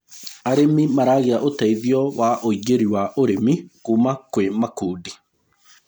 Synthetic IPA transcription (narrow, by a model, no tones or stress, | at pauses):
aɾemimaɾaɣeaʔotaiðiɔwaʔoiɡeɾiwaʔoɾemikuːmakwemakuːdi